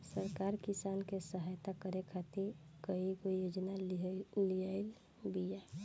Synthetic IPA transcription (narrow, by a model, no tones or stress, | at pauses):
səɾkaɾkisankesəɦajt̪akəɾekʰat̪ikəiɡojod͡ʒnalijaɪl | bija